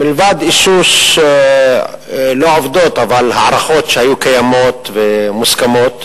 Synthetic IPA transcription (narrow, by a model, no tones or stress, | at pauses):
milvad̪ʔiʃus | loʕovd̪ot̪avalhaʕɾaχot̪ʃehajukajamot̪vemuskamot̪